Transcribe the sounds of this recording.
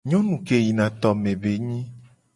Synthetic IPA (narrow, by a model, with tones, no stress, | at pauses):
ɲɔ̃˦nũ˨ke˨ji˨nã˨t̪ɔ˨mẽ˨be˨ɲĩ˦